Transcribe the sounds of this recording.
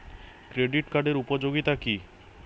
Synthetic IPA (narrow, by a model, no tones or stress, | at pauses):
kɾeɖiʈkaɖeɾupod͡ʑoɡit̪aki